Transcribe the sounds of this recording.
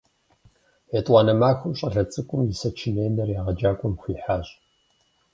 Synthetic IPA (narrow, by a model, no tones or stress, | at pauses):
jetʼɑːnɐmaːxʷʊmɕʼɐɮɐt͡sʼɨkʷʼʊmjɪsɐt͡ʃʰɪneːnɐrjaːʁɐd͡ʒaːkʷʼɔmxʷiːħaːɕʼ